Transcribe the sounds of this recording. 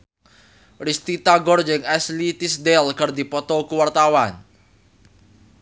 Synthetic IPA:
rist̪it̪aɡɔrd͡ʒəŋɛslit̪isd̪ɛlkərd̪ipɔt̪ɔkuwart̪awan

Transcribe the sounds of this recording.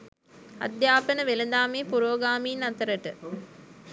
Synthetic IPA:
ɐ̰d̪jaːpənəʋeləd̪aːmeːpuɾoːɡaːmiːnɐt̪əɾəʈə

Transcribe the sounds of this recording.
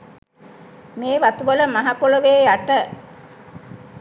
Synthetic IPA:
meːʋat̪uʋələmaɦakoləʋeːjaʈə

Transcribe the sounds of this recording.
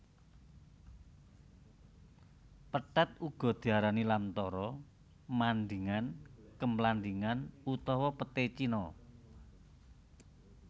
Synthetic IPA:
pəʈat̪̚uɡ̥ɔ̤d̪̥i̤aɾanilamt̪ɔɾɔ | mand̪iŋankəmland̪iŋanut̪ɔwɔpət̪et͡ʃinɔ

